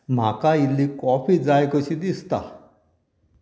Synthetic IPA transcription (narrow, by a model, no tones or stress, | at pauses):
m̤akailːikɔpid͡zajkɔɕid̪ist̪a̰